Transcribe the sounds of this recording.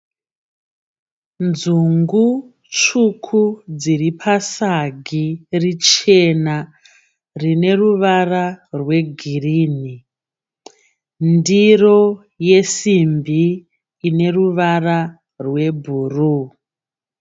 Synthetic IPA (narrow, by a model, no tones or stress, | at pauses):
nzuŋɡu | t͡ʃukʰud͡ziripʰasaɡʱirit͡ʃe̞na | rine̞ruʋararwe̞ɡʱiriːni | ndiro̞ | je̞simbiː | ne̞ruʋara | rwe̞bʱuru